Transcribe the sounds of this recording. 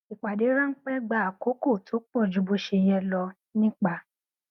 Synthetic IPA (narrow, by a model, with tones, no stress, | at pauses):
i˨k͡pa˨de˨˦ɾã˦ŋ̩˦k͡pɛ˦ɡ͡ba˧˨a˨ko˨˦ko˦˨tʰo˨˦k͡pɔ˦˨d͡ʒu˨˦bo˧ʃe˧jɛ˧lɔ˧ | nĩ˦k͡pa˧˨